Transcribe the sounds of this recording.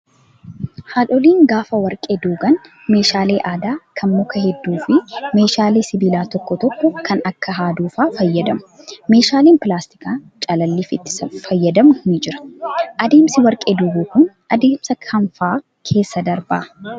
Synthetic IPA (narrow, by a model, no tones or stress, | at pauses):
haːᶑɔliːŋɡaːfɐwɐɾkʼed̪uːɡɐn | me̞ːʃaːle̞ːʔaːd̪aːkʰɐnmɔkɐhɛd̪ːuːfɪme̞ːʃaːleːsɪbiːlaːt̪ɔkːɔt̪ɔkːɔkʰɐnɐkːɐɦaːd̪uːfaːfɐjːɐd̪ɐmʊ̥me̞ːʃaːleːnpɪlaːst̪ɪ̥kaːt͡ʃʼɐlɐlːiːfɪt̪ːɪ̥sɐfɐjːɐd̪ɐmʊhnɪd͡ʒɪɾɐ̥ʔɐd̪e̞ːmsɪwɐɾkʼed̪uːɡuːkʊn | ʔɐd̪e̞ːmsɐkʰɐɱfaː | kʰe̞ːsːɐd̪ɐɾbaː